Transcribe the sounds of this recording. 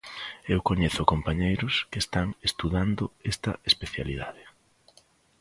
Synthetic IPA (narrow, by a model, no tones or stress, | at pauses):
ewkoɲeθʊkompaɲejɾʊskest̪aŋest̪uðand̪ʊest̪ɐ̰espeθja̰liðaðɪ